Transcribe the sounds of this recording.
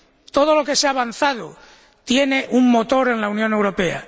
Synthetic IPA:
t̪o̞ð̞o̞lo̞ke̞seaβan̟θað̞o | t̪je̞ne̞ʔuŋmo̞t̪o̞ɾe̞nlaunjone̞wɾo̞pe̞a̰

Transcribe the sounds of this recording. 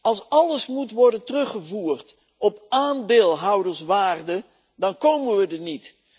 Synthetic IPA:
ɑlˠsɑləsmutʋɔɹdəntərɵχəvuːrt | ɔpaːndɪːlˠɦɑwdəɹsʋaːrdə | dɑnkowmənʋədənit

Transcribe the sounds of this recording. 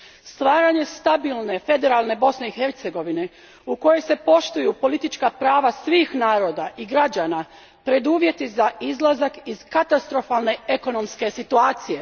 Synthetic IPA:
st̪ʋaːɾaɲe̞st̪abilˠne̞fe̞d̪e̞ɾalˠne̞bo̞sneixe̞ɾt̪se̞ɡo̞ʋine̞ | uko̞jese̞po̞ʃt̪ujupo̞lit̪it͡ʃkapɾaːʋasʋiːxnaːɾo̞ːd̪aʔiɡɾad͡ʑaːna | pɾe̞d̪uːʋje̞t̪izaizlˠazakiz̥kat̪ast̪ɾo̞falˠne̞e̞ko̞no̞mske̞sit̪uaːt̪sije̞

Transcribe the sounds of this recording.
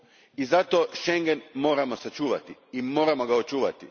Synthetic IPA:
izat̪o̞ʃe̞ŋɡenmo̞ːɾamosat͡ʃuːʋa̰t̪iimo̞ːɾamo̞ɡaot͡ʃuːʋat̪i

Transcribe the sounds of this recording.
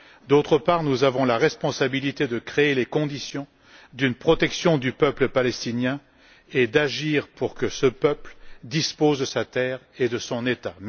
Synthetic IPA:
d̪ot̪χəpaʁnuzavɔ̃laʁɛspɔ̃sabilit̪ed̪əkχeelekɔ̃d̪isjɔ̃ | d̪ynpχɔt̪ɛksjɔ̃d̪ypœpləpalɛst̪injɛ̃ | ed̪aʒiʁpuʁkəsəpœpld̪ispozd̪əsat̪ɛːʁed̪əsɔ̃net̪am

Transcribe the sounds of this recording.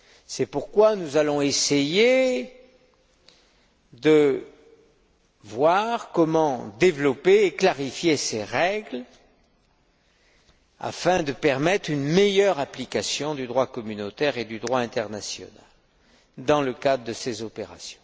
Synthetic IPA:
sɛpuʁkwanuzalɔ̃eseje | d̪ə | vwaʁkɔmɑ̃d̪evlɔpeːklaʁifjeseʁɛɡl | a̰fɛ̃d̪əpɛʁmɛt̪χynmejœʁaplikasjɔ̃d̪yd̪ʁwakɔmynot̪ɛʁed̪yd̪ʁwaɛ̃t̪ɛʁnasjɔ̰na̰l | d̪ɑ̃ləkad̪ʁəd̪əsezɔpeʁa̰sjɔ̥̃

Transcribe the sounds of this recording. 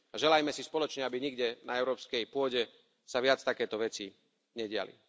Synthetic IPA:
aʒɛlajmɛsispɔlɔt͡ʃɲɛabiɲiɡɟɛnaɛʊɾɔːpskɛjpʊɔɟɛ | saʋɪat͡st̪akɛːt̪ɔʋɛt͡si | ɲɛɟɪa̰lḭ

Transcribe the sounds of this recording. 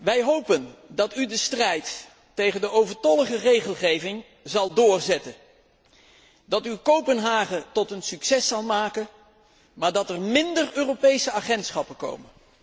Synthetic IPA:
ʋɛjɦowpəndɑtydəstrɛjtː | ejχəndəʔowvəɹtɔləχərejχəlˠχejvɪŋ | zɑlˠdʊːɹzɛtən | dɑtywkowpənɦaːχəntɔtənsyksɛsɑlˠmaːkən | maːɹdɑtɛɹmɪndərøːrowpejsəaχɛntsχɑpəko̰wmən

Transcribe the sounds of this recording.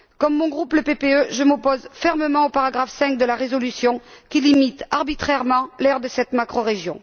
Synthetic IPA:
kɔmːɔ̃ɡʁupləpepeøʒəmɔpɔzfɛʁməmɑ̃opaʁaɡʁafsɛ̃ŋk̚d̪əlaʁezɔlysjɔ̃kilimit̪aʁbit̪χɛʁmɑ̃lɛʁd̪əsɛt̪makχɔʁeʒjɔ̃

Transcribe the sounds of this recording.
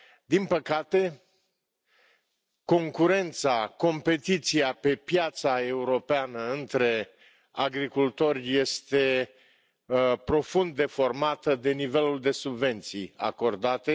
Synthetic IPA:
d̪inpəkat̪e̞ | ko̞ŋkuɾe̞nt̪sako̞mpe̞t̪it̪siape̞pjat̪sae̞uɾo̞peanəɨnt̪ɾe̞ | aɡɾikult̪o̞rʲje̞st̪e̞ | pɾo̞fund̪ːe̞fo̞rmat̪əd̪e̞nive̞luld̪e̞subve̞nt̪sḭja̰ko̞rd̪at̪e̞

